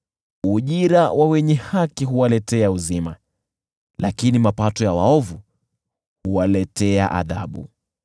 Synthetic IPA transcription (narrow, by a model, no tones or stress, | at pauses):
uʄiɾawʔawɛɲɛhakiɦuwalɛtɛauzima̰ | lakinimapatɔjawa̰ɔvu | huwalɛtɛa̰ʔa̰ða̰ɓṵ